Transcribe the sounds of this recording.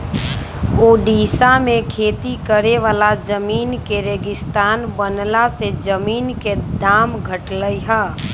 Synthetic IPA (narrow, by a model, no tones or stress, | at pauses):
oːɖiːsamẽkʰeːt̪ikəɾeʋaːlad͡ʒəmiːnkeɾeːɡɪst̪aːnbənlased͡ʒəmiːnked̪aːmɡʱəʈləiɦə